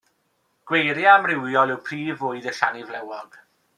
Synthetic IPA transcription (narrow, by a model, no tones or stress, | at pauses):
ɡ̥wejɾjamrɪwjɔlˠɪwpʰriːvʊɨðəɬanivlɛwɔɡ̥